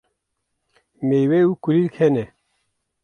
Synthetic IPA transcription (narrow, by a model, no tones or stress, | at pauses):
mejweukulilkʰɛnɛ